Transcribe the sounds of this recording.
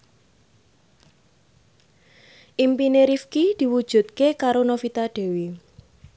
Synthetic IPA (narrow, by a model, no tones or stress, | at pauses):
ʔimpineɾifkid̪̥i̤wud̥ʒ̥ṳt̪̚kekaɾonofit̪aɖ̥e̤wi